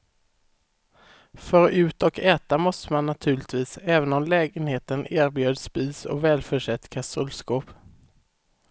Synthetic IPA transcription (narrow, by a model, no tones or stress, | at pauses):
fœɾʉ̟ːt̪ɔkɛːt̪amɔst̪əmanːat̪ʰʉ̟ːɭɪt̪viːsɛːvənɔmlɛːɡənheːt̪əneːɾbjøːd̪spiːsɔ̰vɛːlfœʂɛt̪ːkʰasɵlskoːp